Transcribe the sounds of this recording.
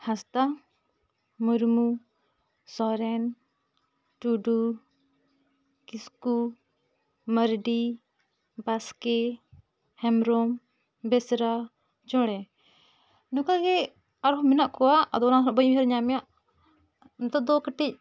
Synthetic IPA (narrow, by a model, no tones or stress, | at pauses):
hast̪a | muɾmu | sɔɾɛn | ʈuɖu | kisku | məɾɖi | baskɛ | hɛmɾɔm | bɛsɾa | t͡ʃɔɽɛ | nukaɡɛ | aɾɔɦminaʔkɔwaːd̪ɔnaɔbəɲɦɛɾɲamjaʔ | nt̪ɔd̪ɔkəʈic̚